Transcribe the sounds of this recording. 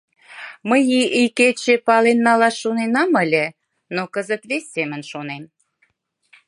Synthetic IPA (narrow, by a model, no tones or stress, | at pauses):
məjiʔiket͡ɕepɑlenːɑlɑʃːonenɑmə̆lʲĕ | nokəzət̪βesʲːemə̆nʃonem